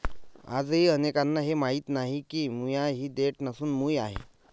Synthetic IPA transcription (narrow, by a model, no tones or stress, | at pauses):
a̰d͡zɦiːənekanːaɦemaɦiːt̪naɦikiːmujaɦiːd̪eʈnəsuːnmujaɦḛ